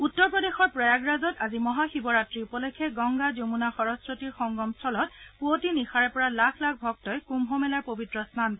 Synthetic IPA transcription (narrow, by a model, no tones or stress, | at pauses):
utːɔɹpɹɔdexɔɹpɹɔjaɡɹazɔtazimɔɦaxibɔɹatɹiupɔlekʰːɛɡɔŋɡazomunaxɔɹɔsɹotiɹxɔŋɡɔmstʰɔlɔt̚puotinixaɹɛpɔɹalakʰlakʰbʱɔk̚tɔjkumbʱɔmɛlaɹpobitɹɔstʰan